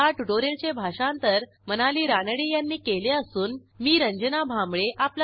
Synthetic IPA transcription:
aʈuɖoɾelt͡ɕebʱaʂãnt̪əɾ | mənaliːɾanəɽijanːiːkeleəsuːnmiːɾəɲd͡ʑənabʱambɭeʔapl

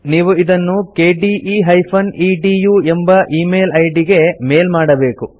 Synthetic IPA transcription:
niːʋuid̪ɐnːukeːɖiːʔiːɦɐjpʰɐniːɖiːjuːembɐʔiːme̞ːlɐjɖiɡe̞me̞ːlmaːɽɐbe̞ːku

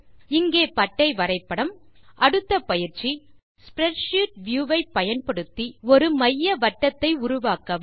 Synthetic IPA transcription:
ɪŋɡeːpɐʈːɐɪʋɐɾɐɪpːɐɽɐmʔɐɽɯt̪ːɐpɐjɪɾt͡ʃːi | spɾɛʈʂuːʈ̚ʋjuːʋɐɪpːɐjɐnpɐɽɯt̪ːiɔɾɯmɐjːɐʋɐʈːɐt̪ːɐɪʊɾʊʋaːkɐʋ

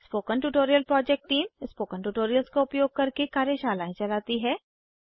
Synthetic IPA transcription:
spoːkənʈuʈoːɾijəlpɾɔːd͡ʒɛk̚ʈːiːmspoːkənʈuːʈoːɾijəlskoʊpjoːɡ̚kɐɾkekaːɾjəʃaːlaːẽt͡ʃɐlaːt̪iɦɛː

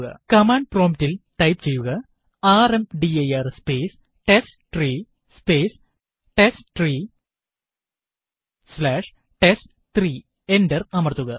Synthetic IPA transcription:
ɣɐ̰kɐmaːɳɖ̚proːmtilʈɐjpt͡ɕe̞jːuɣɐ | aːremɖiejɐrspeːs | ʈesʈʈriː | speːs | ʈesʈʈriː | slaːʂ | ʈesʈ | t̪riː | endɐrɐmɐrt̪ːuɣɐ

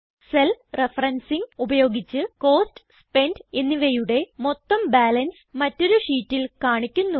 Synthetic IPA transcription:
selrefɐrɐnsiŋubɐjo̞ːɡit͡ɕːɨko̞ːsʈɨspe̞ndenːiʋejuɽe̞mo̞t̪ːɐmbaːlɐns | mɐtːo̞ɾuʂiːtːilkaːɳikʲːunːu

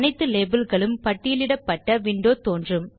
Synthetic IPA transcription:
nɐɪt̪ːɯleːbɐlɣɐɭɯmpɐʈːɪjɪlɪɽɐpːɐʈːɐʋɪɳɖoːt̪oːndrɯm

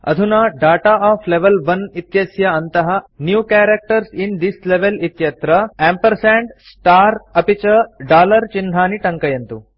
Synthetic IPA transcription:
ɐ̰d̪ʱunɐɖaːʈaaːfʰleʋɐlʋɐnit̪jɐsjɐɐnt̪ɐɦɐnjuːkaːɾek̚ʈɐɾsind̪isleʋelit̪jɐt̪ɾɐeːmpɐɾsɛːɳɖsʈaːɾɐpit͡ʃɐɖaːlɐɾt͡ʃind̪ʱaːniʈɐ̃ŋkɐjɐnt̪u

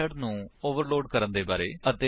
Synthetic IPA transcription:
əɖnũːoːʋəɾloːɖkəɾənd̪eːbaːɾeːət̪eː

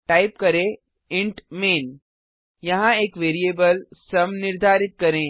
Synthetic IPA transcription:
ʈaːɪp̚kɐɾẽ | ɪ̃ɳʈmeːn | jɐɦãeːkʋeːɾieːbəlsɐmnɪɾd̪ʱaːɾɪt̪̚kɐɾẽː

